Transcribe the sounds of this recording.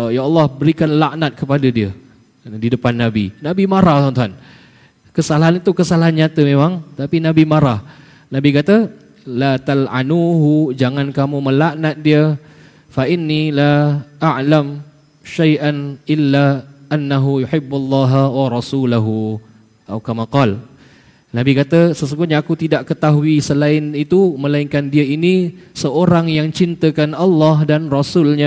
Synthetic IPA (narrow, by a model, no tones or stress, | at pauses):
jaɑlːɑhbəɾikanlaʔnat̪̚kəpadadiə | didəpanːãbinabimaɾasant̪uɦan | kəsalaɦanit̪ukəsalaɦanɲãt̪əmemãŋt̪apinãbimaɾah | nãbikat̪ə | lat̪alʕanuɦud͡ʒaŋãnkamuməlaʔnat̪̚diə | faʔɪnːilaʔaʕlam | ʃajʔanʔɪlːaʔanːaɦujuħɪbːalːɑɦawaɾˤɑsulaɦu | ʔa̰wkamaqɑl | nabikat̪əsəsuŋɡʊt̪̚ɲaːkut̪idaʔkət̪aɦuisəlaɪnit̪umə̃laɪŋkandiəinisəoɾaŋjaŋt͡ʃint̪əkanɑlːɑhdanrɔsʊlɲa